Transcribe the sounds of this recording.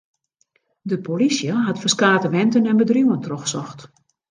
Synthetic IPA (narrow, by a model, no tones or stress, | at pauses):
dəpolisjəɦatfərskaːtəʋɛntənɛnbədruwəntrɔxsɔxt